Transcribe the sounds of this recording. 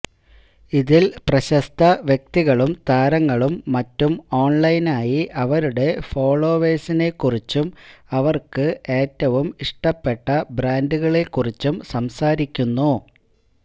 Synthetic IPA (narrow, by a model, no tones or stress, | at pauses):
iðilprɐɕɐst̪ʰɐʋjek̚t̪iɣɐɭumt̪aːɾɐŋːɐɭumːɐtːumo̞ːɳlɐjnaːjiʔɐʋɐɾuɽe̞fo̞ːɭo̞ːʋe̞ːsine̞kːurit͡ɕːumɐʋɐrkɨe̞ːtːɐʋumiʂʈɐpːe̞ʈːɐbɾaːnduɣɐɭe̞kːurit͡ɕːumsɐmsaːɾikʲːunːu